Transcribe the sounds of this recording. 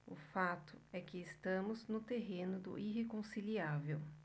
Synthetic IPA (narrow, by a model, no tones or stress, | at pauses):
ʊ̰fat̪ʊɛkɪːst̪ɐ̃mʊznʊt̪eɦẽnʊd̪ʊ̰ʔihekõsiliavew